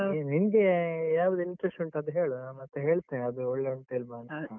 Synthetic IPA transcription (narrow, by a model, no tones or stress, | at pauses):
ninɡejaːʋɐd̪ɐiɳʈɾesʈɐɳʈɐd̪ɦeːɭunaːmmɐt̪ːeɦeːɭt̪ːeːnɐd̪uɔɭːeoɳʈelmaːnɐ